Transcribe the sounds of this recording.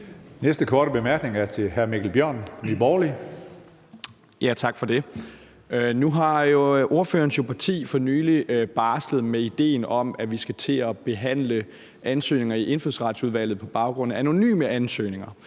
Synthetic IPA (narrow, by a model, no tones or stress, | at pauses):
nesd̥əkʰɒːɾ̥əb̥e̝mæɐɡ̥ne̝ŋæɐt͡sʰe̝lhæɐmiɡ̥l̩b̥jɶɐ̰nnib̥ɒːli | jæt͡sʰɑ̈ɡ̥fɒ̽d̥e̝ | nuɦɑ̈jo̝ʔo̝ɐføːɐnsjopʰɑ̈t͡sʰḭːfɒ̽nyːlib̥ɑ̈ːsləð̞̩ˠmeid̥e̝̰ːnɒ̽mæʋisɡ̥æt͡sʰe̝ɒb̥e̝ɦæn̰lə | ʔænsø̰ːne̝ŋɐiʔe̝nfðˠsʁɑ̈d̥suðˠʋæl̰ð̞̩ˠpʰɒ̽b̥ɑ̈ʊɡ̥ʁɔ̽n̰̩æno̝ny̰ːməænsø̰ːne̝ŋɐ